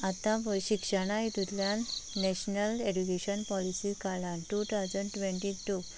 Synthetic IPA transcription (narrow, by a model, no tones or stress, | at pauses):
at̪ãpəɕikʂəɽ̃ãjit̪ut̪ljanːɛɕnəled͡ʑukeɕənpɔlisikalãnʈut̪ʰawd͡zəɳɖʈʋẽɳʈiʈu